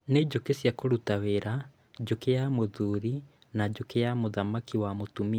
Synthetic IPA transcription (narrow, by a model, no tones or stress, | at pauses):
ned͡ʑokesjakoɾutaweɾa | d͡ʑokejamoðuɾi | nad͡ʑokejamoðamakiwamotumi